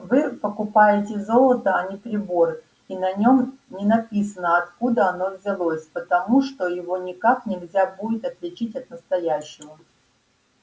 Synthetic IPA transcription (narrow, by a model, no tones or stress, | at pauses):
vɨpəkʊpajɪtʲɪzo̞lˠət̪əɐnʲɪpɾʲɪbo̞r | inɐnʲo̞mnʲɪnɐpʲisənəɐt̪kud̪əɐno̞vʲzʲɪlˠosʲpət̪ɐmuʂt̪ojɪvo̞nʲɪkaknʲɪlʲzʲabudʲɪt̪ɐt̪lʲɪt͡ɕitʲɐt̪nəst̪ɐjæɕːɪvə